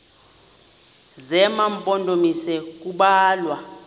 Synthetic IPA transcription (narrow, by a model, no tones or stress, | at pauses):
zɛmampʼɔndʱʼomisɛk̬ʼuɓaːlwa